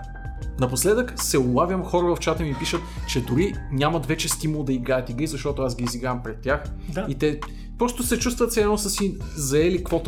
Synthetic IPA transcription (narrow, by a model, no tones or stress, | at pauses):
nɐposlɛd̪əksɛʊlˠavjəmxɔɾəvɐft͡ʃat̪əmipiʃət̪t͡ʃɛd̪ʊɾinʲamɐt̪vɛt͡ʃɛst̪iməlˠd̪ɐiɡajət̪iɡəizɐʃt̪ɔt̪oasɡʲiːziɡɾampɾɛt̪ʲːjaxit̪ɛ | pɾɔst̪ʊsɛt͡ʃust̪vət̪sɛanosəsizɐɛlikvɔt̪